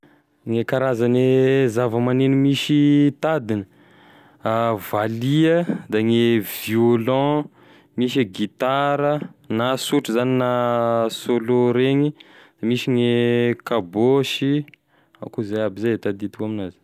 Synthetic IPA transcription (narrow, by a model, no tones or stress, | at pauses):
ŋekaɾazanezavəmanenimiʃit̪ad̪inə | valiəd̪aŋeviolɑ̃ | miʃeɡit̪aɾənasuʈ͡ʂəzaninasoloɾeɲid̪̥amiʃiŋekaboʃi | a̰kuzajabizat̪ad̪it̪ukaminaz̥